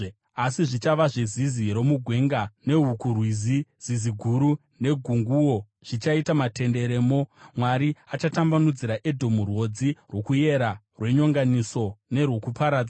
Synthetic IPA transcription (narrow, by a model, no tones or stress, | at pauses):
asiʐit͡ʃaʋaʐeziziɾo̞muɡʱwe̞ŋɡane̞ɦukurwiziz̥iziɡʱuɾu | ne̞ɡʱuŋɡuwo̞ | ʐ̥it͡ʃaitamatʰe̞nde̞ɾe̞ːmo̞mwaɾiat͡ʃatambanud͡ziɾaʔe̞dʱo̞murwo̞d͡zirwo̞kuje̞ɾa | rwe̞ɲo̞ŋɡaniso̞ne̞rwokupaɾaːd͡za